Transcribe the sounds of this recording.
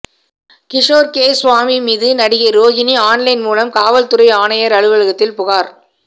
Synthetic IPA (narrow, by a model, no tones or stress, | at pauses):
kɪʂoːɾkeːsʋaːmimiːðɯnɐɽɪɣɐɾoːd͡ʒɪniaːɳlɪnmuːlɐmkaːʋɐlt̪ʊɾɐɪaːnɐjɐɾɐɻɯʋɐɻɯɣɐt̪ːɪlpʊɣaːɾ